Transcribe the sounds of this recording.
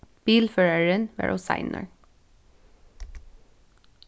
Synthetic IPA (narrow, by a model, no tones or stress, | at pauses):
b̥iːlføːɹəɹənʋæ̰ɹʔo̰sɑ̰ɪnʔə̰ɹ